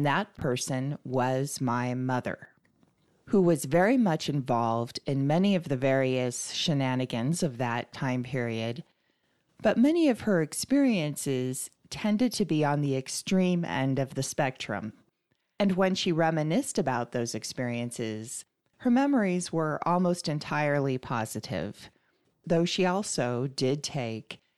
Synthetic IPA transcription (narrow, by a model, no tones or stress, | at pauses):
ðət̚pʰɜ˞sɨ̃nwʌzmaɪmʌðə̰˞ | huwʌzvɛɹimʌt͡ʃɨ̃ɱvɑlˠvdɪ̃nmɛniʌvðɨvɛɹiɨsʃɨnænɨɡɨ̃nzʌvðɨtʰãɪ̃mpʰɪɹiɨd̚ | b̥ʌt̚mɛniʌv̥ə˞ɨkspɪɹiɨ̃nsɪz̥ | tʰɛ̃ndɨd̚tʰɨbiə̃nðiɨkstɹ̥ĩmɛ̰̃ndʌvðɨspɛk̚tɹ̥ɨ̰̃m | ɨ̃nwɨ̃nʃiɹɛmɨnɪstɨbaʊt̪̚ðoʊzɨkspɪɹiɨ̃nsɪz̥ | hə˞mɛmə˞izwə˞ʔɔ̰lˠmoʊstɨ̃ntʰaɪə˞lˠipʰɑ̰z̥ɨɾɪ̰v̥ | ðoʊʃiɔlˠsoʊdɪd̚tʰeɪk